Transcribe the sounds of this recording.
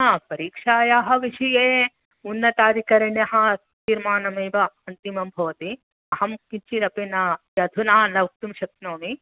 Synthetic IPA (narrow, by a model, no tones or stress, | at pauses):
apɐɾiːkʂaːjaːɦɐ̆ʋiʃijeː | unːɐt̪aːɾikɐɾɐɳjɐɦɐ̆ | t̪iːɾmaːnɐmeːʋɐɐnt̪imɐmbʱɐʋɐt̪i | ɐɦɐmkint͡ʃiɾɐpinaːjɐd̪ʱunaːnɐʋɐk̚t̪umʃɐk̪̚noːmi